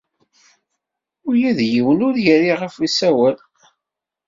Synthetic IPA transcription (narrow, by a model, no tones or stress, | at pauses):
ʊɾjæðjiwənʊɾjəɾiʁəfisæwæl